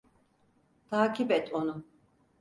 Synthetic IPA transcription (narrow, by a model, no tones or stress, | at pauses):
t̪ʰaːcʰibɛt̪ʰo̞nu